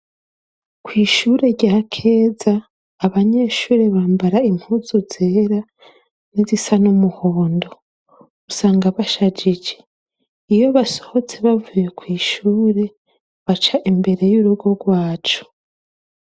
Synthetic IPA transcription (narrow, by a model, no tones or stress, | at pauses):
kwiːʃuːɾe̞ɾɟaːkʰeːzaː | βaɲe̞ːʃuːɾe̞βaːmbaɾaim̥huːzuzeːɾa | nizisanumuhoːndo̞ | usaːŋɡaβaʃad͡ʒid͡ʒe | ijo̞βasoho̞t͡se̞βavujekwiːʃuːɾe̞ | βat͡ʃaʔimbe̞ɾe̞juɾuɡo̞ɡwaːt͡ʃu̥